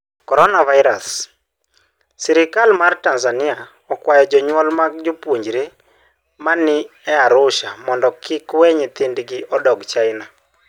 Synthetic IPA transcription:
kɔɾɔnavaɪɾas | sɛɾɪkalmartanzanɪa | ɔkwajɔd͡ʒɔɲwɔlmaɡd͡ʒopwoɲd͡ʒɾe | manɪɛaɾʊʃamɔndɔkɪkwɛɲɪt̪ɪndɡɪʔɔdɔɡt͡ʃaɪna

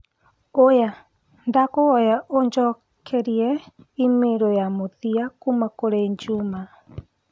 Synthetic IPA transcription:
oja | ndakoɣɔjaʔoɲd͡ʒɔ | kʰɛɾiɛ | imeɾojamoðiakumakoɾeiɲd͡ʒuma

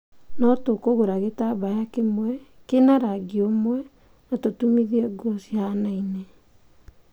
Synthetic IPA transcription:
nɔtokoɣoɾaɣetaβajakemwɛkenaɾaɡiomwɛ | natotumiðiɛɡɔsianaine

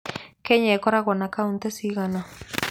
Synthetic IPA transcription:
keɲekoɾaɣonakaunt̪esiɣana

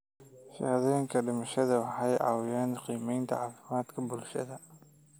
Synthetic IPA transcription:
ʃɐ̰ːðɛjɪŋkʰɐɖɪmɐʃɐðɐwɑħɑjʕɑ̰ːwɪjaːnqiːmɛjnt̪ʰɐ̰ʕɑːfɪmaːd̪kʰɐbʊlʃɐ̰ðɐ

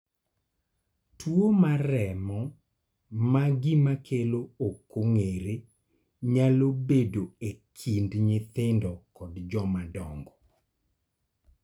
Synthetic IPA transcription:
twomaɾɛmɔ | maɡɪmakʰelookːoŋeɾe | ɲalobedoekʰindɲɪt̪ɪndɔkɔdd͡ʒɔmadɔŋɡɔ

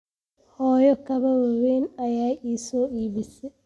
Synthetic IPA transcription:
hɔːjɔkʰɐβɐwɐwɛːnɐjaːʔiːsɔːʔiːβɪsɛ

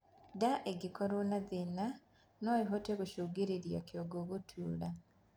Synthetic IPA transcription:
daʔeɡikɔɾonaðena | noiɦoteɣoʃoːɡeɾeɾja̰kjoɡoɣotʰuːɾa

